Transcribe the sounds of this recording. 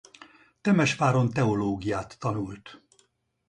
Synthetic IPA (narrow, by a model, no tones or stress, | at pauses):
t̪ɛmɛʃfaːɾo̞nt̪ɛo̞loːɡijaːt̪ːɒnult̪